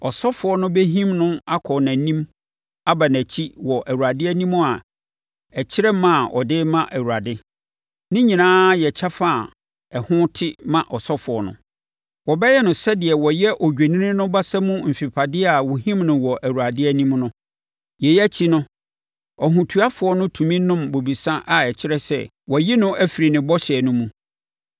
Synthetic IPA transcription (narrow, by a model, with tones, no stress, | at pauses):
ɔ˨sɔ˦fʊ˨ɔ˦nʊ̃˦be˦ɦĩ˦mnʊ̃˦a˦kʰɔ˨nã˨nĩ˦m | a˦ba˨næ̃˨t͡ɕʰi˦wɔ˨ʔæ˨wu˨ɾa˨dɪ˦æ˦nĩ˦mʊ̃˦a˨ | ɛ˨t͡ɕʰɪ˦ɾɛ˦mã˦˨ʔɔ̰˨dɪ˦mã˦ʔæ˨wu˨a˨dɪ˦ | nɪ̃˦ɲĩ˨nãː˦jɛ˨t͡ɕʰa˦fa˦˨ | ɛ˨hʊ̃˦tʰɪ˦mã˦ʔɔ˨sɔ˦fʊ˨ɔ˨nʊ̰̃˨ | wɔ˨bɛ˦jɛ˦nʊ̃˨sɛ˦dɪ˨ɛ˨wɔ˨jɛ˦ʔɔ˨d͡ʑᶣe˨nĩ˦nɪ̃˦nʊ̃˦ba˦sa˦mũ˦m̩˨fi˨pʰa˨dɪ˦a˨wu˨ɦĩ˦mnʊ̃˨wɔ˨ʔæ˨wu˨a˨dɪ˦æ˦nĩ˦mnʊ̃˦ | jɛ˨jɛ˦æ˦t͡ɕʰi˦nʊ̃˦ | ɔ˨ɦũ˨tʰu˨a˦fʊ˨ɔ˦nʊ̃˦tʰũ˨mĩ˦nʊ̃˦mbo˨bi˨sã˦ʔa˨ɛ˨t͡ɕʰɪ˦ɾɛ˦sɛ̰˦˨ | wɔ˨ji˦nʊ̃˦ʔæ˦fi˨ɾi˨nɪ̃˨bɔ˦ɕɛ˨nʊ̃˦mũ˦